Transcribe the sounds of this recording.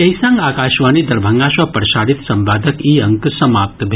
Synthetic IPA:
ɐisɐ̃ŋɡaːkaːʃʋaːnid̪ɐɾbʱəŋɡaːʃʋapəɾʃaːɽit̪sɐmbaːd̪ʱəkiːɐŋksɐmaːp̚t̪bʱ

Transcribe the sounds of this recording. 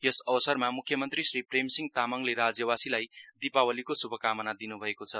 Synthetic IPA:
jʌsʌwʌsʌrmamukʰːjʌmʌnt̪risripremsiŋt̪amʌŋleɾad͡zjʌbasilajd̪ipawʌlikosubʱʌkamʌnad̪inubʱʌekot͡sʰʌ

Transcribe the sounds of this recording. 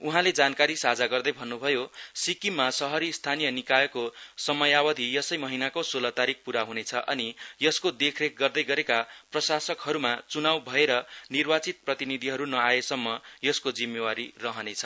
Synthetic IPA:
uɦãled͡zankaɾisad͡zaɡʌrd̪ʌjbʱʌnːubʱʌjosikimːasʌɦʌɾist̪ʰanijʌnikajʌkosʌmʌjawʌd̪ʱijʌsʌjmʌɦinakosolʌt̪aɾik̚puɾaɦunet͡sʰʌʔʌnijʌskod̪ekʰrek̚ʰɡʌrd̪ʌjɡʌɾekaprʌsasʌkɦʌɾumat͡sunawbʱʌeɾʌnirbat͡sit̪̚prʌt̪inid̪ʱiɦʌɾunʌajesʌmːʌjʌskod͡zimːewaɾirʌɦʌnet͡sʰʌ̥

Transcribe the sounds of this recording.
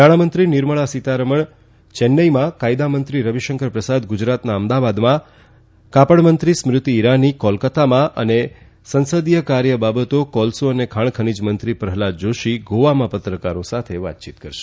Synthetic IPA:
naɽ̃amənt̪ɾinɪɾməɭasit̪aɾəməɳ | t͡ʃɛnːəjmãkajd̪amənt̪ɾiɾəʋiʃəŋkəɾpɾəsad̪ɡʊd͡ʒɾat̪naəmd̪aʋad̪mã | kapəɳmənt̪ɾismɾɪt̪iːɾanikɔlkət̪amãʔə̰ne | sənsəd̪jəkaɾjəbabət̪okɔlsoənekʰaɳ̃kʰənid͡ʒmənt̪ɾipɾəɦlad̚d͡ʒoʃiɡoʋamãpət̪ɾəkaɾosat̪ʰeʋa̰t̪t͡ʃit̪kəɾʃe

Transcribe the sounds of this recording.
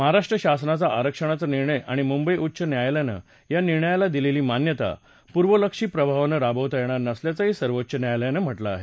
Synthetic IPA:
məɦaɾaʂʈɾəɕasnat͡saʔaɾəkʂəɽ̃at͡saniɾɳəjʔaɽ̃imumbəiʔutːɕənjajljanə̰ | janiɾɳəjalad̪ileliːmanjət̪a̰ | puɾʋələkʂiːpɾəbʱaʋnəɾabʱəʋt̪jeɽ̃aɾnəsljat͡saɦisəɾʋotːɕənjajljanəm̤əʈlaːɦe

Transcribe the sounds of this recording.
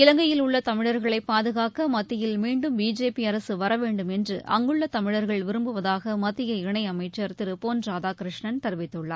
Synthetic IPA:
ɪlɐŋɡɐjɪlʊɭːɐt̪ɐmɪɻɐɾɣɐɭɐɪpːaːðɯɣaːkɐmɐt̪ːɪjɪlmiːɳɖɯmbiːd͡ʒeːpiɐɾɐsɯʋɐɾɐʋeːɳɖɯmɛndrɯʔɐ̰ŋɡɯɭːɐt̪ɐmɪɻɐɾɣɐɭʋɪɾɯmbɯʋɐðaːɣɐmɐt̪ːɪjɐɪɳɐɪɐmɐɪt͡ʃːɐɾt̪ɪɾɯpoːnraːðaːkɾɪʂɳɐnt̪ɐɾɯʋɪt̪ːɯɭːɐ̰ɾ

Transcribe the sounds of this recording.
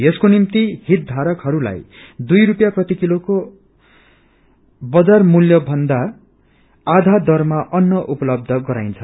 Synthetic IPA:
eskonimt̪ihit̪̚d̪ʱaɾʌkɦʌɾula̰j | d̪ujrupjaprʌt̪ikiloko | bʌd͡zarmuljʌbʱʌnd̪a | ad̪ʱad̪ʌrmaʔʌnːʌʔupʌlʌb̚d̪ʱʌɡʌɾajnt͡sʰʌ

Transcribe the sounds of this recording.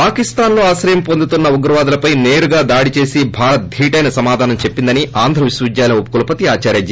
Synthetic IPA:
paːkist̪aːnlo̞ːaːsɾɐjɐmpo̞nd̪ut̪unːɐuɡɾɐʋaːd̪ɐlɐpɐjneːɾuɡaːd̪aːɽit͡ʃe̞ːsibʱaːɾɐt̪̚d̪ʱiːʈɐjnɐsɐmaːd̪ʱaːnɐmt͡ʃepːind̪ɐniʔaːnd̪ʱɾɐʋiʃwɐʋid͡ʒ̪jaːlɐupːɐkulɐpɐt̪iaːt͡ʃaːɾjaːd͡ʒi

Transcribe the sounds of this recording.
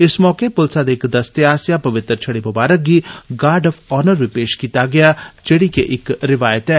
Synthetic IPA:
ɪsmɔːkepʊlsad̪eːkd̪ɐst̪eaːsjapɐʋɪt̪ɾt͡ʃʰɐɽibɐbaːɾək̚ɡiɡaːɾɖɐfɔːnəɾʋɪpeːʃkiːt̪aɡɐjat͡ʃeɽikeʔɪkɾɪʋaːjət̪ɛː

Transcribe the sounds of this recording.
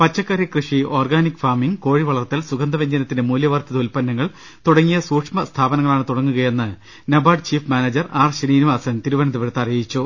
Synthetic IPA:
pɐt͡ɕːɐkːɐrjɐkrɨʂio̞ːrɡaːnikːfaːmiŋɡko̞ːɻiʋɐɭɐrt̪ːilsuɡɐnd̪ɐʋeɲd͡ʑɐnɐt̪ːindemuːljɐʋɐrt̪ɐðɐulpɐnːɐŋːɐɭ | t̪uɽɐŋːijɐsuːkʂmɐst̪ʰaːbɐnɐŋːɐɭaːɳɨt̪uɽɐŋːuɣɐje̞nːɨ | nɐbaːɖt͡ɕiːfmaːnɐd͡ʑɐraːrɕɐniːnuʋaːsɐnt̪iɾuʋɐnɐðuʋɐɾt̪ːɐrijɐjit͡ɕːu

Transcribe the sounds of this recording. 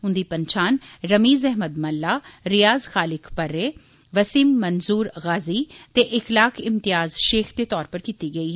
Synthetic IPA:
ɦʊ̃nd̪iːpənt͡ʃʰaːnɾəmiːzɛɦməd̪mɐlːaːɾɪjaːzxaːlɪkpəɾːeː | ʋəsiːmːənzuːɾɣaːziːt̪eʔɪxlaːkʰɪmt̪ɪjaːzʃeːxd̪eːt̪ɔːɾpəɾkiːt̪iːɡəiːɦɛ

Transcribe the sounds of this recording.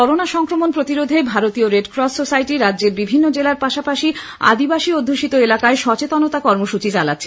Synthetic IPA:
ɔɾonaʃɔŋkɾomonpɾot̪iɾod̪ʱebʱaɾot̪ioɾeɖkɾɔssosajʈiɾadːʑeɾbibʱinːod͡ʑelaɾpaʃapaʃi | a̰d̪ibaʃiod̪ʱːuʃit̪oelakaeʃɔt͡ɕet̪anot̪akɔɾmoʃut͡ɕit͡ɕala̰tːɕʰe

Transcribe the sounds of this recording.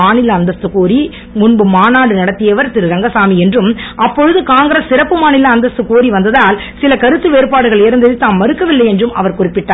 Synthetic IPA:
aːnɪlɐːnd̪ɐst̪ɯkoːɾi | mʊnbɯmaːnaːɽɯnɐɽɐt̪ːɪjɐʋɐɾt̪ɪɾɯɾɐŋɡɐsaːmiɛndrɯmʔɐpːɔɻɯðɯkaːŋɡɪɾɐsːɪɾɐpːɯmaːnɪlɐːnd̪ɐst̪ɯkoːɾiʋɐnd̪ɐðaːl | sɪlɐkɐɾɯt̪ːɯʋeːɾɯpaːɽɯɣɐɭɛɾɯnd̪ɐðɪt̪aːnmɐɾɯkːɐʋɪlːɐɪɛndrɯmɐ̰ʋɐɾkʊrɪpːɪʈːaː

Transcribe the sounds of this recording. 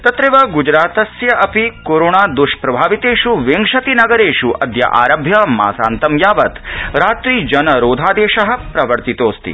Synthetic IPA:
t̪ɐt̪ɾeʋɐɡud͡ʒɾaːt̪ɐsjɐʔɐpikoːɾoːɳaːd̪uʃpɾɐbʱaːʋit̪eːʂuʋeŋʂɐt̪inɐɡɐɾeːʂuʔɐd̪ʱjɐ̰ʔa̰ːɾɐbʱjɐma̰ːsa̰ːnt̪ɐmjaːʋɐt̪ɾaːt̪ɾiːd͡ʒɐnɐɾoːd̪ʱaːd̪eːʃɐɦɐ̆pɾɐʋɐɾt̪it̪oːst̪ḭ

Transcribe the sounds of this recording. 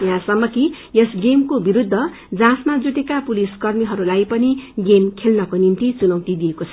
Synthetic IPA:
jãsʌmːʌki | jesɡemkobiɾud̪ʱːʌ | d͡zãsmad͡zuʈ̪ekapuliskʌrmiɦʌɾulajpʌniɡemkʰelnʌkonint̪it͡sunʌwt̪id̪ijekot͡sʰʌ

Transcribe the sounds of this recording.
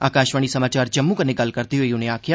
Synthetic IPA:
a̰ːkaːʃʋəɳ̃isɐmaːt͡ʃaːɾd͡ʒɐmːũkənːeɡɐlkəɾt̪iɦoːiʊnẽaːkʰɪjaː

